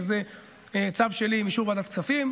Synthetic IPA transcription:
ze | t͡savʃelimiʃuʁbad̪at̪kt͡safim

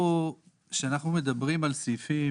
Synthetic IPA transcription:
o | ʃeanaχnumed̪abʁimalsifi

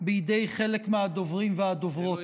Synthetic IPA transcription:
bejid̪e̞jχelekmehad̪ovʁimvehad̪ovʁo̞t̪

